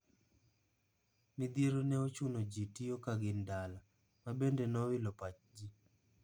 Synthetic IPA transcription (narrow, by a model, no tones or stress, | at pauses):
mɪd̪iɾonɛot͡ʃunod͡ʒitijokaɡɪndala | mabendenɔwɪlɔpat͡ʃd͡ʒi